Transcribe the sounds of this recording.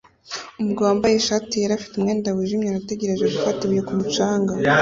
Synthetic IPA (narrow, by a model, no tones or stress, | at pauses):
umuɡoaːmbajeʃaːtijeɾafi̥tumŋe̞ːndaβuʒimɲaːɾate̞ɟe̞ɾe̞ʒeɡufatiβije̞kumut͡ʃaːŋɡa